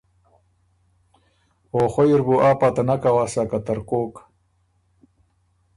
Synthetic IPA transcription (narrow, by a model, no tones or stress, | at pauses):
oːxojiɾbuʔaːpat̪anakawaːsakat̪ɐɾkoːk